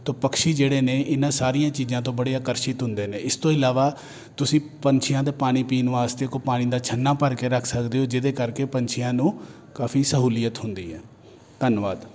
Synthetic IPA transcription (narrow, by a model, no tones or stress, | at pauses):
t̪oːpəkʃiːd͡ʒeːɽeːneːʔɪnãːsaːɾijãːt͡ʃiːzãːt̪̬õːbəɽeːaːkəɾʃɪt̪ɦʊnd̪eːneːɪst̪õːɪlaːʋaː | t̪ʊsĩːpəɲt͡ʃʰɪjãːd̪eːpaːɽ̃iːpiːnuːaːst̪ekopaːɽ̃ĩːd̪aːt͡ʃʰənːãːpəɾkeːɾəkʰsəkd̪eːɦoːd͡ʒɪd̪eːkəɾkeːpəɲt͡ʃʰɪjãːnũː | kaːfʰiːsəɦuːlɪjət̪ɦʊnd̪iːɦɛː | t̪ənʋaːd̪